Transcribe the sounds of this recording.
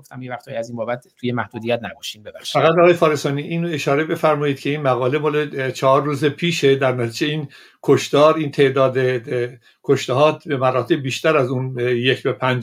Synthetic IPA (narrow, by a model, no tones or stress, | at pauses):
oft̪æmjevæxt̪ɒːjiæziːnbɔːbæt̪t̪ʰːujemæhd̪uːd̪ijæt̪̚næbɒʃimbebæχʃi̥fæɣæt̪ɒːɣɒjefɒːɾesɒːniʔiːnoeʃɒːɾe̞be̞fæɾmɒːjiːd̪̥̚cʰe̞iːnmæɣɒːle̞mɒːlet͡ʃʰɒɦɒːɾːuːzepʰiːʃe̞d̪æɾnæt̪ʰiːd͡ʒeiːn | kʰoʃt̪ɒːɾiːnt̪ʰe̞ʔd̪ɒːd̪e | kʰoʃt̪eɦɒːt̪bemæɾɒːt̪ʰe̞bbiːʃt̪æɾæzunjecʰbepʰænd͡ʒ